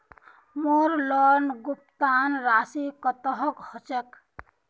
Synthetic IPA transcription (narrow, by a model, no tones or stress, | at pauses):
moɾlɔnɡup̚t̪anɾasikət̪əɦɔkhɔt͡ʃek